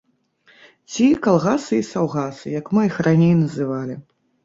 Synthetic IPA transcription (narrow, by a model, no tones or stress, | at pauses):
t͡sʲikalˠɣasɨisawɣasɨjɐkmɨixranʲejnɐzɨvalʲi